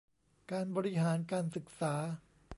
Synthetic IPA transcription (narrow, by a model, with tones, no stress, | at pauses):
kaː˧nbɔː˧ɾi˦˥ɦaː˩˦nkaː˧nsɯ˨˩k̚saː˩˦